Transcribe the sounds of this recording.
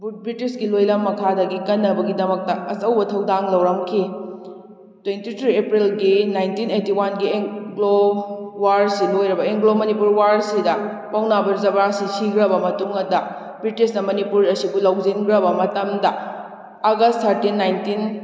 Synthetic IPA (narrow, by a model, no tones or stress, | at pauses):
but̚bɾitisɡilojlɐmːɐkʰadɐɡikɐnːɐbɐɡidɐmɐk̚tɐɐsɐwbɐtʰɐwdaŋlɐwɾɐmkʰi | twentitʰɾiepɾilɡinajntinejtiwanɡieŋɡlowaɾsilojɾɐbɐeŋɡlomɐnipuɾwaɾsidɐ | pawnabɐɾzɐbɾasisiɡɾɐbɐmɐtuŋɐdɐ | bɾitisnɐmɐnipuɾɐsibulawzinɡɾɐbɐmɐtɐmdɐː | ɡɐstʰɐɾtinːajntin